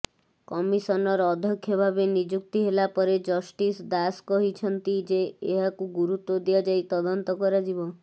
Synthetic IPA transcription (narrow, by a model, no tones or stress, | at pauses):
kɔmisɔnɔɾɔːd̪ʱjɔkʰːjɔbʱabenid͡ʒuk̚t̪iɦelapɔɾed͡ʒɔsʈisd̪askɔɦit͡ʃʰɔnt̪id͡ʒeːɦakuɡuɾut̪ɔd̪iad͡ʒajt̪ɔd̪ɔnt̪ɔkɔɾad͡ʒibɔ